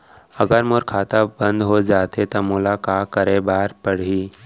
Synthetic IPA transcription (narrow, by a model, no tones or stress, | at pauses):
əɡəɾmoɾkʰaːt̪abənd̪ɦod͡ʒat̪et̪əmulakakəɾebaːɾpəɽ̤iː